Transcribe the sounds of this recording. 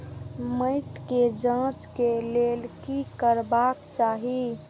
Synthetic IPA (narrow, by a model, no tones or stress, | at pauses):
məɪʈked͡ʒãːt͡ʃkeleːlkikəɾbakt͡ʃaːɦi